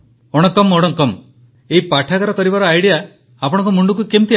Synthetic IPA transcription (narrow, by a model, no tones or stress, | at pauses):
oɽ̃ɔkɔmoɽɔŋkɔm | eɦipaʈʰakaɾɔkɔɾibaɾɔajɽijaː | pɔɽ̃ɔŋk̬ɔmuɳɖukukemt̪i